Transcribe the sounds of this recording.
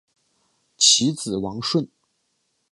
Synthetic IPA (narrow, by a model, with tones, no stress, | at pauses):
t͡ɕʰi˧˥t͡sɹ̩˨˩wɑ˧˥ŋʂwə˥˩n